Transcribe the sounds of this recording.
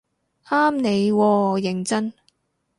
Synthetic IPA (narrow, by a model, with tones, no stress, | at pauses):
aː˥mne˨˧jwɔː˧jɪ˨˩ŋt͡sɐ˥n